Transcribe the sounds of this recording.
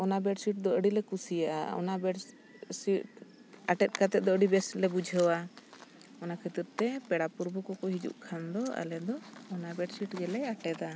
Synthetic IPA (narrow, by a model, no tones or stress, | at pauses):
ɔnabɛʈsiʈ̚d̪ɔəɽilɛkusijaʔa̰ɔ̰nabɛɖ | siʈ̚ | aʈɛt̪̚kat̪ɛd̪ɔəɽibɛslɛbud͡ʒʱəwa | ɔnakʰət̪iɾt̪ɛpɛɽapuɾbukɔkɔɦid͡ʒṵʔkʰand̪ɔa̰lɛd̪ɔɔnabɛʈsiʈɡɛlɛaʈɛd̪a